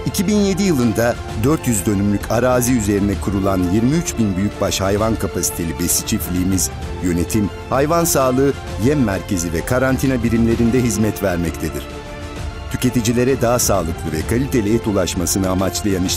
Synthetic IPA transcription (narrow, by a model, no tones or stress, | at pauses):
icʰibinje̞d̪ijɯlˠɯnd̪a | d̪øɾt̪jyzd̪ø̞nymlʲycʰaɾaːziyze̞ɾind̪ɛkʰuɾulˠanjiɾmiyt͡ʃbinbyjyc̚baʃhajvankʰapʰasi̥t̪ʰe̞lʲibesit͡ʃʰiflʲiːmiz̥jø̞ne̞t̪ʰim | hajvansaːlˠɯː | jɛmːæɾcʰe̞zivɛkʰaɾant̪ʰinabiɾimlʲe̞ɾind̪ɛɦizmɛt̪væɾmɛct̪ʰed̪iɾ̥ | t̪ʰy̥ce̞t̪id͡ʒilʲe̞ɾɛd̪aasaːlˠɯklˠɯvɛkʰalʲit̪ʰe̞lʲiɛt̪ulˠaʃmasɯnɯamat͡ʃlˠajaniʃ